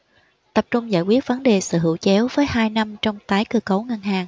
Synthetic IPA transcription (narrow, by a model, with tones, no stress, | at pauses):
t̪ə˨˩p̚t͡ɕʊ˧ŋ͡mza̰ː˧˨jkwi˦˥ət̚və˨˦nɗe˨˩sɨ̰˧˨ɦɨ̰˧˩˨wt͡ɕɛ˨˦wvəː˨˦jhaː˧jna˧mt͡ɕɔ˧wŋ͡mt̪aː˨˦jkɨ˧kə˨˦wŋə˧nɦaː˨˩ŋ